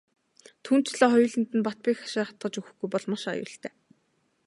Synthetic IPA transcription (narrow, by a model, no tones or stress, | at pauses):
t̪ʰuːn̥t͡ɕɮɔːχɔjʊːɮɘ̆nt̪ɘ̆npat̪̚piːxχḁʃaːχḁt̪ɢə̆t͡ɕuxɘ̆xɡ̥ujpɔɮmaʃa̰jʊ̰ːɬt̪ʰæː